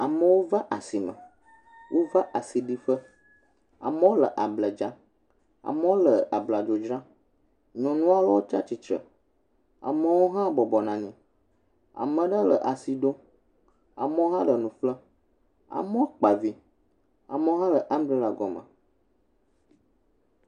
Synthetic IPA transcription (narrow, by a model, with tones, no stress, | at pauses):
a˨mə̃˨wo˦va˦ʔa˨si˨mə̰̃˨ | wʔo˦va˦ʔa˨si˨ɖi˦ɸə˦ | a̰˨mə̃˦wo˦lə˨ʔa˨blə˨d͡ʒa˦ | a̰˨mə̃˦wo˦lə˨a˨bla˨d͡ʒo˨d͡ʒɾã˦ | ɲɔ̃˨nũ˦a˦lɔ˦wo˦t͡ʃa̰˦t͡ʃi˨t͡ʃɾə̰˨ | a̰˨mə˦wo˦ɦã˦bɔ˨bɔ˨nã˨nĩ˨ | a̰˨mə̃˨ɖə˦lə̰˨ʔa˨si˨ɖo˦ | a̰˨mə̃˦wo˦ɦã˦ɖə˨nũ˨flə˦ | a̰˨mɔ̃˦k͡pa˨vi˦ | a̰˨mə˦wo˦ɦã˦lə˨ʔa˦mbli˦la˨ɡɔ˨mə̰̃˨